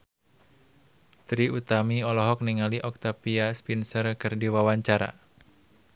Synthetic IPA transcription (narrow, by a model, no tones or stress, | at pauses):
t̪ɾiut̪amiɔlɔɦɔk̚niŋaliʔɔk̚t̪apiaspinsərkɨrdiwawaɲt͡ʃaɾa̰